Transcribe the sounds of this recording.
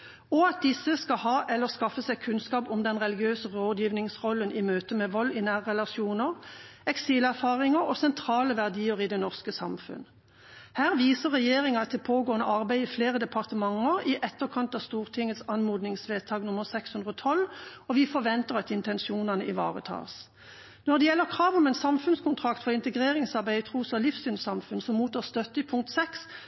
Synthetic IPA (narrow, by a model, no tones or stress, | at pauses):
ɔɑt̪̚d̪ɪsəskɑhɑːʔɛlːəskɑfəsɛɪkʰʉnskɑːpʊmd̪ɛnʁɛlɪɡɪøːsəʁoːd̪jiːʋnɪŋsʁɔlːənʔɪmøːt̪əmɛʋɔlːɪnæːʁəʁɛlɑʃjuːnəʁɛksiːlæʁfɑːʁɪŋəʁɔsɛnt̪ʰʁɑːləʋæʁd̪iːəʁɪd̪ɛnɔʁskəsɑ̰mfʉ̰n | hæːʁʋiːsəʁɛjeːʁɪŋɑɑt̪ʰːɪpʰoːɡoːənəʔɑʁbæɪɪfleːʁəd̪ɛpʰɑʁt̪əmɑŋːəʁɪʔɛt̪ːəʁkʰɑnt̪ɑst̪uːʁt̪ʰɪŋət̪sɑnmuːd̪nɪŋsʋeːt̪ʰɑːɡnʊməʁsɛkshʉnd̪ʁɔːt̪ʰɔlɔʋɪfɔʋɛnt̪əʁɑt̪ɪnt̪ɛnʃuːnɑnəʔɪ̰ʋɑ̰ːʁət̪ʰɑ̰ːʁs | nɔʁd̪ɛjɛlːəʁkʰʁɑːʋɔmɛnsɑmfʉnskʊnt̪ʰʁɑkt̪fɔʁɪnt̪əɡʁeːʁɪŋsɑʁbæɪt̪ʰʁuːsɑlɪfsyːnsɑmfʉnsɔmmuːt̪ɔst̪œt̪ːəɪpʰʊŋk̚t̪sɛks